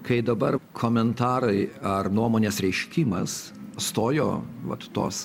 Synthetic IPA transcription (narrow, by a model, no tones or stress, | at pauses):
kɐɪd̪ɐbɐɾkʰoːmʲɛnt̪ɑːɾɐɪɐrnuɔmoːnʲeːsɾʲɛɪʃʲkʲiːmɐsst̪oːjo̰ːʋɐ̰t̪ːo̰ːs